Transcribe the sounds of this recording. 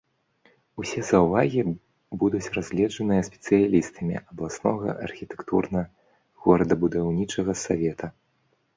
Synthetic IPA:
usʲɛzɐwvaɣʲi | bud̪ut͡sʲrazʲlʲɛʐɐnɨjɐsʲpʲɛ̥t̪sɨjalʲist̪ɐmʲḭʔɐblˠasnɔɣɐ̰ʔɐ̰rxʲit̪ɛ̥kt̪ṵrnɐ | ɣɔɾɐd̪ɐbud̪awnʲit͡ʂɐɣɐsavʲɛt̪ʰɐ

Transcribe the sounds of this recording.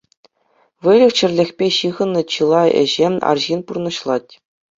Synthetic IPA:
ʋɘ̆lʲɘ̆xt͡ɕɘ̆rʲlʲexʲpʲeɕɯʁɤ̆nːɤ̆t͡ɕɯlˠɑḛ̆ʑemʲɑ̰rʑinpurnɤ̆ɕlˠɑtʲ

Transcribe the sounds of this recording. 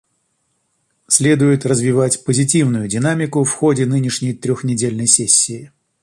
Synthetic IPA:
sʲlʲe̞d̪ʊjɪt̪rəzvʲɪvatʲpəzʲɪtʲivnʊjʊdʲɪnamʲɪkʊfxo̞dʲɪnɨnʲɪʂnʲɪjt̪ɾʲɔxnʲɪdʲelʲnəjsʲesʲːɪː

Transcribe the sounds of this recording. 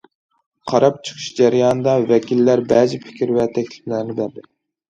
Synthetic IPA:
qʰɑɾɑp̚t͡ʃʰɨ̥qʰu̥ʃd͡ʒæɾjɑːnɨd̪ɑvɛkʲilːæɾbɛzɪpʰɪ̥kʲɾvɛt̪ʰɛkʲlɪ̥plæɾnɪbæɾd̪ɪ

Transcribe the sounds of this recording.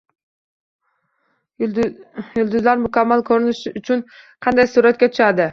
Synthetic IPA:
jʊlˠd̪ʊzlaɾmʊkʲʰamːalkʲʰɵɾɪnɪʃɪʔʊt͡ʃʰʊnqʰɑnd̪ajsuːɾat̪̚kʲat̪ʰʊ̥ʃad̪ɪ

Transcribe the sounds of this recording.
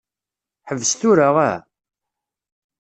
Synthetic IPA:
ħəvːəsθuɾaʁæ

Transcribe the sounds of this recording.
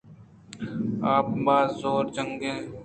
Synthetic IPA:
aːp̚baːzzoːɾd͡ʒəŋɡẽː

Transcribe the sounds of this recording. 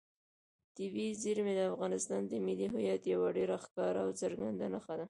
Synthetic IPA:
t̪ɪbiziɾmed̪əafɣɑnɪst̪ɑnd̪əmɪliɦʊjat̪jawaɖeɾaxkɑɾaːwt͡səɾɡand̪anəxad̪a

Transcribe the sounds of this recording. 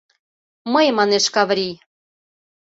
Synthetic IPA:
məjmɑneʃkɑvɾʲij

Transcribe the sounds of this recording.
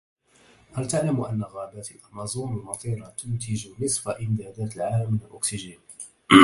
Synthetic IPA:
halt̪aʕlamʔanːaɣaːbat̪lʔɑlmɑzˤuːnalmɑt̪ˤiːɾɑt̪ʊnt̪ɪd͡ʒnɨsˤfaʔɪmd̪aːd̪aːt̪lʕaːlamːɪnalʔʊksɪʒaːn

